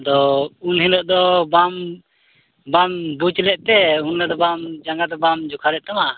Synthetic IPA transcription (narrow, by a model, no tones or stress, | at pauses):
d̪ɔunɦinəʔd̪ɔbam | bambut͡ʃlɛʔt̪ɛunlad̪ɔbamd͡ʒaŋɡad̪ɔbamd͡ʒukʰalɛʔt̪ama